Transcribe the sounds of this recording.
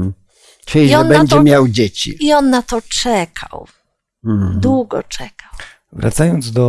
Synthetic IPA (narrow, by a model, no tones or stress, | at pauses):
t͡ʂɛɔɛnbɛɲd͡ʑɛmʲjawd͡ʑet͡ɕḭiɔnːat̪ɔt͡ʂɛkʰa̰w̩ | d̪wuɡɔ̰t͡ʂɛkaw | vɾʔa̰t̪sajɔnd̪zd̪ɔ